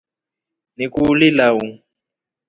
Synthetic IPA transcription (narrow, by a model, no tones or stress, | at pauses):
nikulilawu